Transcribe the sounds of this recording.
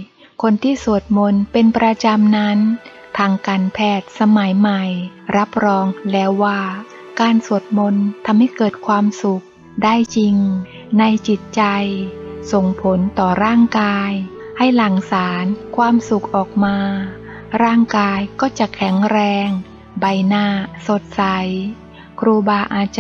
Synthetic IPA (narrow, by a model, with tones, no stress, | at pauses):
kʰo˧nt̪ʰiː˥˩su˨˩ət̪̚mo˧npe˧npɾa˧t͡ɕa˧mna˦˥n | t̪ʰaː˧ŋkaː˧npʰɛː˥˩t̪̚sa˧ma˩˦jma˨˩jɾa˦˥p̚ɾɔː˧ŋlɛː˦˥wːaː˥˩ | kaː˧nsu˨˩ət̪̚mo˧nt̪ʰa˧mha˥˩jkɤː˨˩t̪̚kʰwaː˧msu˨˩k̚ | daː˥˩jt͡ɕi˧ŋ | na˧jt͡ɕi˨˩t̪̚t͡ɕa˧jso˨˩ŋpʰo˨˦nt̪ɔː˨˩ɾaː˥˩ŋkaː˧jha˥˩jla˨˩ŋsaː˩˦nkʰwaː˧msu˨˩k̚ʔɔː˨˩k̚maː˧ | ɾaː˥˩ŋkaː˧jkɔː˥˩t͡ɕa˨˩kʰɛ˩˦ŋɾɛː˧ŋ | ba˧jnaː˥˩so˨˩t̪̚sa˨˩˦j | kʰɾuː˧baː˧ʔaː˧t͡ɕ